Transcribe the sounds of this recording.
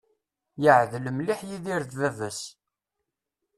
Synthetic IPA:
jəʕðləmliħjiðiɾθvævəs

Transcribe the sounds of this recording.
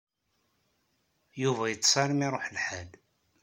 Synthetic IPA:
juvæjət͡sːsˤɑɾmiɾˤoħlħæl

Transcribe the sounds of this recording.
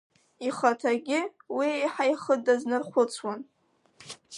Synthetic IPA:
iχatʰaɡʲɪwieħajχədaznɨrχʷʊt͡sʰwan

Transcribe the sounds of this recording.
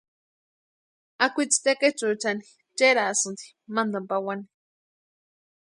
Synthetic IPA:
akʷit͡si̥t̪eket͡ʃut͡ʃani | t͡ʃeɾasɨnd̪i̥ | mand̪ampawani

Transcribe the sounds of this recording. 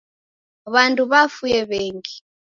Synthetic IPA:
βandʱʼuβafujɛβɛːŋɡi

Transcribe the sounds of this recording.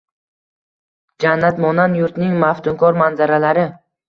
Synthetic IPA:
d͡ʒanːat̪mɒnanjʊɾt̪nɪŋmaft̪ʰʊmkʰɒɾmanzaɾalaɾɪ

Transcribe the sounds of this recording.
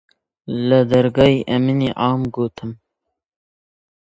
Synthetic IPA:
ləd̪ɐɾɡɑːiʔɐminiʔɑːmɡoːt̪ʰɨm

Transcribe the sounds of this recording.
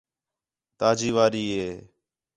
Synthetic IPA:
t̪aːd͡ʒiːʋaːɾiːɦeː

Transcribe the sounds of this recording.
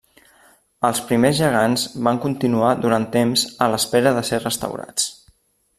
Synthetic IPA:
əlˠspɾimezʒəɣ̞anzβaŋkunt̪inuaðuɾant̪ːemzələspɛɾəðəserəst̪ə̰wɾa̰t͡s

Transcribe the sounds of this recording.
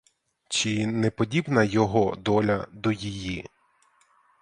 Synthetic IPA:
t͡ʃinɛpɔdʲibnɐjɔɦɔd̪ɔlʲɐd̪ɔjiji

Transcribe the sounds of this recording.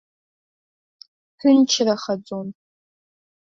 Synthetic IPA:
ħʰʷʏnt͡ʃʰraχad͡zʼon

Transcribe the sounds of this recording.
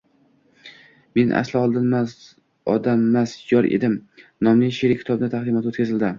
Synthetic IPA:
me̞nʔa̰slɪɒlˠd̪ɪnmaz | ɒd̪amːasjɒɾʔḛd̪ɪmnɒmlɪʃeɾɪkʲʰɪ̥t̪ʰɒbnat̪ʰaχd̪imat̪ot̪kʲazɪld̪ɪ

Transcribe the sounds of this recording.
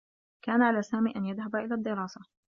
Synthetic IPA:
kaːnaʕalaːsaːmiːʔanjaðɦabaʔɪlaːd̪ːɪɾˤɑːsa

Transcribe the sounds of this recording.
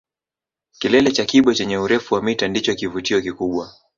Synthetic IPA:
kilɛlɛt͡ʃakiɓɔt͡ʃɛɲɛuɾɛfuwamitandit͡ʃɔkivutiɔkikuɓwa

